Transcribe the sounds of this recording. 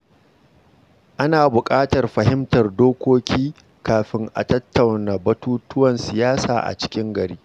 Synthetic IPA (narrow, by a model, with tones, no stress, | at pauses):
ʔa˦naː˨bʊ˨kʼaː˦tɐ˨rɸɐ˨ɦɪ˦mtɐ˨rdoː˦kʷoː˦kʲiː˦ | kaː˨ɸɪ˦ŋʔa̰˨tɐ˦tːɐ˨wnaː˨bɐ˦tuː˦tʊ˦wɐ˨nsɪ˨jaː˦sa̰ː˨ʔa̰˨t͡ʃɪ̥˦kʲɪ˦ŋɡɐ˨ɽiː˦